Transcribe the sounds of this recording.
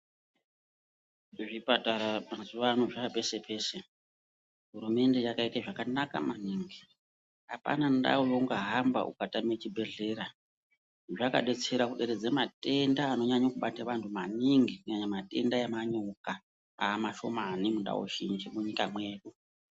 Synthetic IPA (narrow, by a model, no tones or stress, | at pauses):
ʐipataɾamazuʋano̞ʐape̞se̞pʰe̞ːse̞ | ɦuɾume̞nde̞jakaitaʐakanaka̰maniŋɡi | ɦapa̰nanda̰wojoŋɡaɦamba̰ʔṵkatamet͡ʃibʱe̞ɮe̞ːɾa | ʐaka̰ɗe̞t͡seɾakuɗe̞ɾed͡zemate̞ndaːno̞ɲaɲakuɓataʋantʰumaniŋɡikuɲaɲamate̞̰ndajemaɲoka | aːmaʃo̞̰manimunda̰wo̰ʃind͡ʒimuɲikamwe̞ːɗu